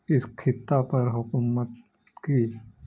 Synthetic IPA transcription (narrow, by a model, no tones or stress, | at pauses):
ɪskʰɪt̪ːapɐɾɦʊkumət̪ | kiː